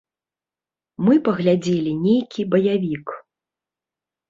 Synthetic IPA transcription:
mɨpɐɣlʲad͡zʲelʲinʲejkʲibɐjavʲik

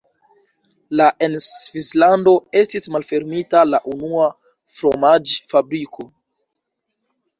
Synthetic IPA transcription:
laʔensvislando̞e̞stismalfe̞ɾmitalaʔunua | fɾo̞mad͡ʒfabɾikʰo̞

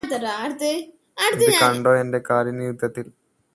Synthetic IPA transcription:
t̪ɐɾaɾt̪e | aɽiɨakɐɳɖoːende̞kaːɾjɐnijud̪ʱːɐt̪ːil

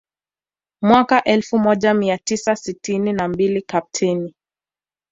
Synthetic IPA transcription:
mwakaʔɛlfumɔʄamiatisasitininambilikap̚tʰɛni

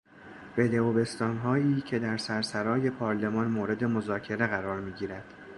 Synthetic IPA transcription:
ve̞d̪e̞obe̞st̪ɒːnɦɒːiːcʰe̞d̪æɾsæɾsæɾɒːje̞pʰɒːɾle̞mɒːnmoːɾe̞d̪e̞mo̞zɒːcʰe̞ɾe̞ɣæɾɒːɾmiːɟiːɾæd̪̥

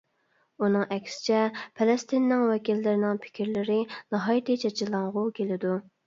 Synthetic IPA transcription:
unɨŋɛkʲsɪ̥t͡ʃʰɛpʰɛlˠɛst̪ʰɪnːɪŋwɛkʲilːɪɾɪnɪŋpʰɪ̥kʲiɾlɪɾɪnɑɦɑːjit̪ɨt͡ʃʰɑt͡ʃʰɪlˠɑŋʁʊkʲʰelɪd̪u

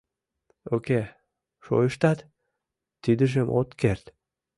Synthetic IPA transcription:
okʲe | ʃo̰jɪʃt̪at̪ | t̪ːid̪ɪʃemʔo̰t̪keɾt̪

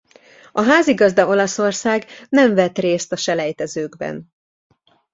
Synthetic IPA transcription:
ɒɦaːziɡɒzd̪ɒo̞lɒso̞rsaːɡnɛɱvɛt̪reːst̪ɒʃɛlɛjt̪ɛzøːɡbɛ̰n

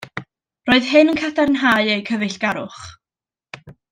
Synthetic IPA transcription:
roːɨðɦɨnənkʰadaɾənɦaːɨejkʰəvɨɬɡ̥aɾʊχ

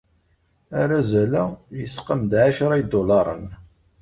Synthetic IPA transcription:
aɾazælæjəsqəmd̪ʕaʃɾˤɑjid̪olɑɾˤə̰n

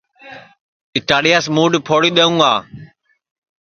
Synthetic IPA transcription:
ɪʈaːɗijasmuːɖpʰoːɽiːɗ̪əũːaː

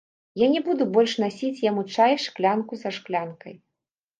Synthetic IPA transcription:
janʲɛbud̪ubɔlʲʂnasʲit͡sʲjamut͡ʂajʂklʲankuzɐʂklʲankɐ̰j

